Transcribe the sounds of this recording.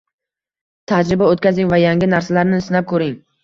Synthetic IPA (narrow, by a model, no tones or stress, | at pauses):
t̪ʰad͡ʒɾɪbaot̪̚kʲʰazɪŋvajaŋɡʲɪnaɾsalaɾnɪɪsnap̚kʰɵɾɪŋ